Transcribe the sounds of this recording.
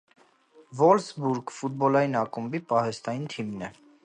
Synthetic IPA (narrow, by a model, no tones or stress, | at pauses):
vɔlsbuɾɡfut̪̚bɔlɑjinɑkumbipɑhɛst̪ɑjint̪ʰimnɛ